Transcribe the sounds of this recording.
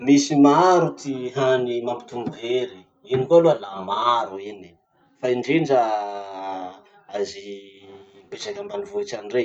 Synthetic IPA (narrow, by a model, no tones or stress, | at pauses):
misimaɾut̪iɦanimampi̥t̪uŋɡeɾi | inikualualamaɾuini̥ | faiɳɖ͡ʐeɳɖ͡ʐa | azi | besakambanivoit͡ʃanre